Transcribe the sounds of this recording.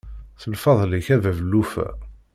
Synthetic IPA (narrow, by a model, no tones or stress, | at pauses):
θəlfɑðˤliçævævəlːufæ̰